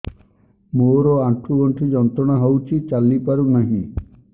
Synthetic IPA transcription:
moɾoaʈʰuɡɔɳʈʰid͡ʒɔnt̪ɾɔɽ̃aɦəwt͡ʃʰit͡ʃalːipaɾunaɦĩ

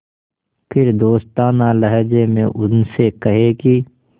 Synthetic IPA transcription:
pʰɪɾd̪oːst̪aːnaləɦd͡ʒemẽʔʊnsekɐɦeki

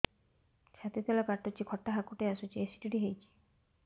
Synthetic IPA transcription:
t͡ʃʰat̪it̪ʰelakaɾʈɔt͡ʃʰikʰɔʈːaɦakuʈeasut͡ʃʰiesi̥ʈiʈiɦejt͡ʃʰi̥

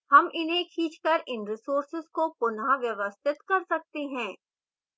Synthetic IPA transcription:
hɐmʔɪnɦẽkʰiːt͡ʃkɐɾʔɪnɾɪsoːɾsɪzkopʊnaʋjɐʋəst̪ʰɪt̪kɐɾsɐk̚t̪eɦɛ̃ː

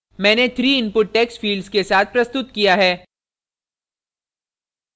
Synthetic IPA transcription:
mɛ̃ːnet̪ʰɾiːɪnpʊʈ̚ːɛːksʈfiːlɖzkesaːt̪̚ʰpɾɐst̪ʊt̪kijaɦɛː

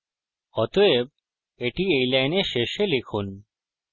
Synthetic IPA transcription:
ɔt̪oeb̚ | eʈiejlajneʃeʃelekʰun

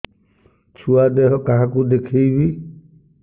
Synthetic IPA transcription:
t͡ʃʰuad̪ɛɦɔkaɦãkud̪ekʰejbi

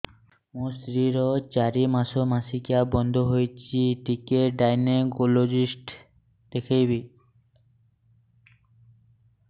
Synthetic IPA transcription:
mũsɾiɾɔt͡ɕaɾimaʃomasikeabɔnd̪ʱoɦojt͡ɕʰiʈikeɖajneɡolod͡ʑisʈ | d̪̥ekʰejbi

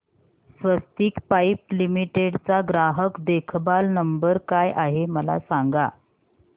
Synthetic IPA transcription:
sʋəst̪iːkpajplimiʈeɽt͡saɡɾaɦəkd̪ekʰbalnəmbəɾkajʔaɦeməla̰saŋɡa̰

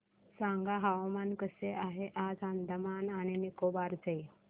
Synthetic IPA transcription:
sãŋɡaɦawmankəseʔaɦeʔad͡zand̪ʱəmanaɽ̃inikobaɾt͡səj

